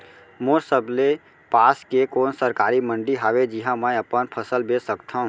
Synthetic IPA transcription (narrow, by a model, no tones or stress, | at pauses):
moːɾsəble | paːskekoːnsəɾkaːɾimə̃ɳɖiɦaːʋed͡ʒiɦãmə̃əpənpʰəsəlbeːsəkt̪ʰaũː